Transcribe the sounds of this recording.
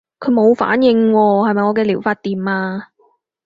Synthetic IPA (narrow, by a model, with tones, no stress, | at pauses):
kʰɵ˨˧ɥmo˨˧wfa̰ː˨˥njɪ˧ŋwɔː˧hɐ˨jmɐ˨jŋɔː˨˧˥kɛː˧liː˨˩wfaː˧t̚t̪iː˨maː˧